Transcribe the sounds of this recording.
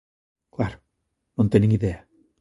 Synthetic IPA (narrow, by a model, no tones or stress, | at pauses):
kʰlaɾ | nɔnt̪ɛniŋiðea